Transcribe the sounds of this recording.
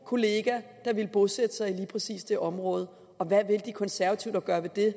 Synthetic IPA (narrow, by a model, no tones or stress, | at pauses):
kʰo̝le̝ːɡ̥æd̥ɑ̈ʋe̝lb̥o̝sed̥əsɑ̈ɪiliːpʰʁɛsḭːsd̥e̝ʔɒ̽mʁɔ̽ːð̞ˠə | ɒ̽ʋæʋe̝ld̥ikʰɒ̽nsæɐʋæt͡sʰiʊd̥æɡ̥ɶːɐʋe̝d̥e̝